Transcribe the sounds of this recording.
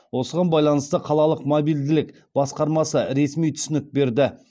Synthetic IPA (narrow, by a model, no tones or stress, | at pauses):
wo̞səʁɑnbɑjlˠɑnəst̪əqʰɑlˠɑlˠəqmobijld̪ɪlɪk | b̥ɑsqɑɾmɑsəɾe̞smijt̪ʰʏ̥sɪnɪk̚be̞ɾd̪ɪ